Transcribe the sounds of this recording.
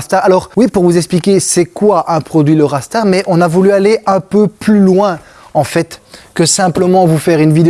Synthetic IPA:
st̪aʁalɔʁwipuʁvuzɛksplikʲesɛkwaʔɛ̃pχɔd̪ɥiləʁast̪aʁmɛʔɔ̃navulyaleʔɛ̃pøplylwɛ̃ | ɑ̃fɛt̪kəsɛ̃pləmɑ̃vufɛʁynvid̪e

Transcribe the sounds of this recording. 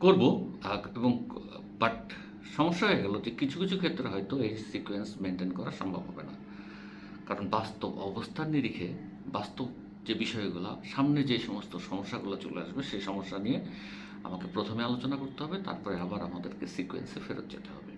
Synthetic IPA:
koɾboaeboŋ | baʈ | ʃɔmoʃːaeɡoloʈikit͡ɕʰukit͡ɕʰukʰet̪ːɾeɦɔjt̪oejsikuensmeɳʈenkɔɾaɾʃɔmbʱabɦɔbena | kaɾonbast̪obɔbost̪ʰanːiɾikʰe | bast̪ob | d͡ʑebiʃɔeɡula̰ʃamned͡ʑeʃɔmost̪oʃɔmoʃːaɡulat͡ɕulḛa̰ʃbeʃejʃɔmoʃːanije | a̰makepɾot̪ʰomealot͡ɕonakoɾt̪eɦɔbet̪a̰ɾpɔɾeabaɾa̰mad̪eɾkesikuḛnsefeɾo̰t̪̚d͡ʑḛt̪eɦɔ̰be

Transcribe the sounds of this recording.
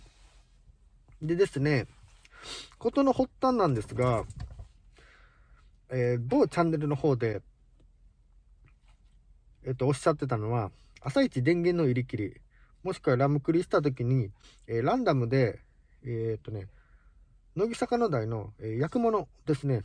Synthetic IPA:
d̪e̞d̪e̞sɨne̞ | ko̞t̪o̞no̞ho̞t̪ːãnːãnd̪e̞sɨɡa | eːbo̞ːt͡ɕãnːe̞ɾɯ̟no̞ho̞ːd̪e̞ | eːt̪ːoːɕːat̪ːe̞t̪̬ano̞βa | asait͡ɕid̪ẽ̞ŋɡẽ̞nːo̞iɾʲikʲiɾʲi | mo̞ɕi̥kɯ̟βaɾamɯ̟kɯ̟ɾʲiɕi̥t̪at̪̬o̞k̬ʲiɲ̟i | eːɾãnd̪amɯ̟d̪e̞ː | t̪ːo̞ne̞ | no̞ɡʲisakano̞d̪aino̞eːjakɯ̟mo̞no̞d̪e̞sɨne̞

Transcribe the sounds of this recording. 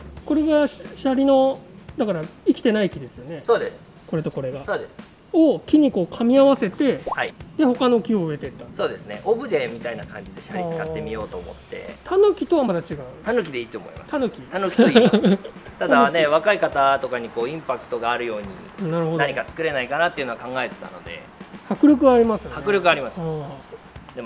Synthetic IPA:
ko̞ɾe̞ɡaɕaɾʲino̞d̪akaɾaikʲi̥t̪e̞naikʲid̪e̞sɨjo̞ne̞soːd̪e̞sɨ̥ | ko̞ɾe̞t̪o̞ko̞ɾe̞ɡasoːd̪e̞sɨ̥ | okʲiɲ̟iko̞ːkʰamʲiaβase̞t̪e̞haid̪e̞ho̞kano̞kʲio̞ɯ̟e̞t̪e̞t̪ːaso̞ːd̪e̞sɨne̞̰ʔobɯ̟d̪ẽmmʲːit̪ainakã̰ɲ̟d͡ʑid̪e̞ɕaɾit͡sɨ̥kat̪ːe̞mʲio̞ːt̪o̞ːmo̞̰t̪ːe̞̰t̪ʰanokʲit̪o̞βamad̪at͡ɕiɡaɯ̟̃nd̪t̪anokʲid̪e̞iːt̪oːmo̞̰ḭma̰st̪anokʲit̪anoki | t̪ad̪ane̞β̞akaikat̪at̪o̞kaɲ̟iko̞ːĩmpakɯ̥t̪o̞ɡaːɾɯ̟jo̞ːɲ̟ḭ | naɾɯ̟hod̪aɲikat͡sɨ̥kɯ̟ɾe̞naikanat̪ːeɯ̟no̞akãŋɡae̞t̪et̪a̰no̞̰d̪e̞̰ | hakɯ̟ɾʲjo̞k̬ɯ̟βaːɾʲimasɨjhakɯ̟ɾʲjokɯ̟aɾʲimasɨ̥ | d̪em

